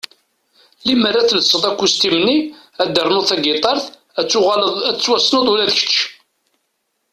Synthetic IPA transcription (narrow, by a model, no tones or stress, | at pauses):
limərːæθləsˤːəðˤækʷːust̪imni | æd̪əɾˤnoθæɡit̪ˤɑɾˤθ | t͡sːʊʁæt͡sːwæsnəðˤulæðçə̥t͡ʃː